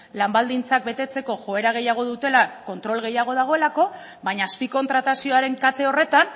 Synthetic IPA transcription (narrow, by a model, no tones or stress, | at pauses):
lambald̪int͡sak̚be̞t̪e̞t͡se̞ko̞ʝo̞e̞ɾaɣ̞e̞jaɣ̞o̞ðut̪e̞lako̞nt̪ɾo̞lɣe̞jaɣ̞o̞ð̞aɣ̞o̞e̞lako̞ | baɲaːspiko̞nt̪ɾat̪asio̞aɾe̞ŋkat̪e̞o̞re̞t̪an